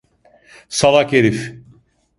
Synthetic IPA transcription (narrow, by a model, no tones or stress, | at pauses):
salˠakeɾif